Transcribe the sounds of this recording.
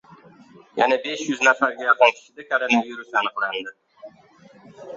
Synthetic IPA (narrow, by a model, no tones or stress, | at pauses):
jænæbeʃjʊznafæɾɡʲæjɑqɑnkʲʰɪ̥ʃɪd̪ækʰoɾonaviɾusɑnəqlɑnd̪ɪ